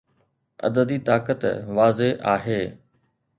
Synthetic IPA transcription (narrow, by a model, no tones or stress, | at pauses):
ɐ̰d̪əd̪iːt̪aːkət̪ʋaːzeʔaːɦeː